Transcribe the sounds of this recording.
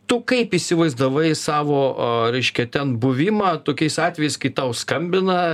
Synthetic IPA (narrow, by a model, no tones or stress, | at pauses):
t̪ʊkɐɪpisʲɪʋɐɪzd̪ɐʋɐɪsɑːʋoːɾʲɛɪʃʲkʲɛt̪ʲɛnbʊʋʲɪmɑːt̪oːkʲɛɪsɑːt̪ʲʋʲɛjɛɪskɐɪt̪ɐʊskɐmʲbʲɪnɐ